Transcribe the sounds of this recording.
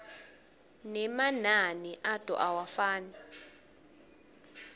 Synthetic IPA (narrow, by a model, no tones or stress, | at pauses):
nɛmananiʔatʼɔ̰ʔawafaːni